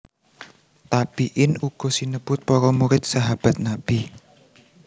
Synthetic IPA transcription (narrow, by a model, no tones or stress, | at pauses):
t̪ab̥iʔɪnuɡ̥ɔ̤sinəb̥ʊt̪̚pɔɾɔmuɾɪt̪̚saɦab̥a̤t̪̚nab̥i